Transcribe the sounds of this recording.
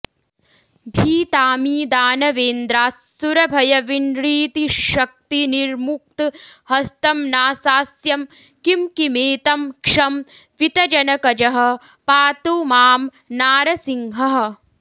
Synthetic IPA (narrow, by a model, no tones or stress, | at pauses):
bʱiːt̪aːmiːd̪aːnɐʋeːnd̪ɾaːsːuɾɐbʱɐjɐʋinɾiːt̪iʃɐk̚t̪iniɾmuk̚t̪hɐst̪ɐmnaːsaːsjɐm | kimkimeːt̪ɐmkʂɐmʋit̪ɐd͡ʒɐnɐkɐd͡ʒɐɦɐ̆ | paːt̪umaːm | naːɾɐsiŋɦɐɦɐ̆